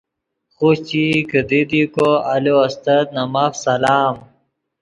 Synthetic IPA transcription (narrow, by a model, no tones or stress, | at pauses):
xut͡ɕikəd̪id̪ikoɐloɐst̪ɐt̪̚nɐmaːfsɐlaːm